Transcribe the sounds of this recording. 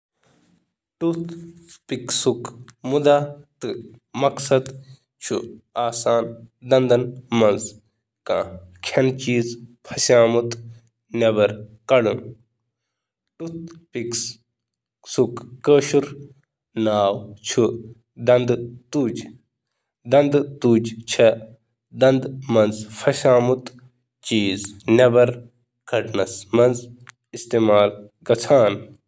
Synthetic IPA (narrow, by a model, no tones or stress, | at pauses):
ʈut̪piksukmud̪aːt̪ɨmɐksɐd̪ | t͡ʃʰṵaːsaːnd̪ɐnd̪ɐnmɐ̃nz | kãːkʰɐnt͡ʃiːzpʰɐsaːmut̪ | nɐbɐɾkɐɽɨ | ʈut̪piks | sukːəːʃuɾ | naːwt͡ʃʰu | d̪ɐnd̪t̪uːd͡ʒ | d̪ɐnd̪t̪uːd͡ʒt͡ʃʰɐ | d̪ɐ̃nd̪mɐnzpʰɐsʲaːmut̪ | t͡ʃiːznɐbɐɾ | kɐʈnɐsmɐnz | ist̪eːmaːlɡɐt͡sʰaːn